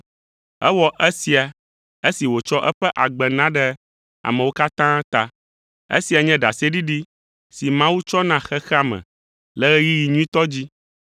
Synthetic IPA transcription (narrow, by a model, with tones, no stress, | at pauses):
ɛ˦wɔ˨ʔɛ˦si˨a˨ | e˦si˨wo˨t͡ʃɔ˦ʔɛ˦ɸɛ˦ʔa˨ɡ͡bɛ˨nã˦ɖɛ˦ | a̰˨mɛ̃˨wo˦ka˦t̪ã˦t̪a˦ | ḛ˦si˨a˨ɲɛ̃˦ɖa˨si˦e˦ɖi˦ɖi˦ | si˨mã˦wu˦t͡ʃɔ˦nã˨xɛ˦xɛ˦a˨mɛ̰̃˨ | lɛ˦ɣɛ˦ji˦ji˨ɲũ˦ĩ˦t̪ɔ˦d͡ʑi˦